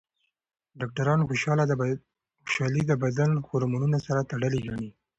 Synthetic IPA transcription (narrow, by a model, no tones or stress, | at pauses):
ɖɑk̚ʈaɾɑnxoʃɑlad̪ | xʊ̥ʃɑlid̪əbad̪anxoɾmanunasaɾat̪aɽəliɡaɳi